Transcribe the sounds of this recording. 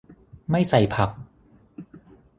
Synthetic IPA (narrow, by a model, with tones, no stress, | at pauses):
ma˥˩jsa˨˩jpʰa˨˩k̚